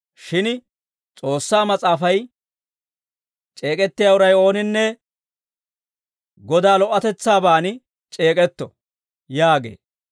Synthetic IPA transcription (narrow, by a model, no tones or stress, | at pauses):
ʃɪn | t͡sʼo̞ːsːaːmɐt͡sʼaːfɐj | t͡ʃʼeːkʼɛt̪ːɪjaʊɾɐjo̞ːnɪnːɛ | ɡɔd̪aːlɔʔːɐt̪ɛt͡sːaːbaːnɪ | t͡ʃʼe̞ːkʼɛt̪ːɔ | jaːɡḛː